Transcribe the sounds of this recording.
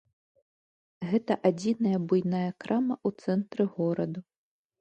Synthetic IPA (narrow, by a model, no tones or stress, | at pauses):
ɣɛt̪ɐʔad͡zʲinɐjɐbujnajɐkɾamɐʔut̪sɛnt̪ɾɨɣɔɾɐd̪u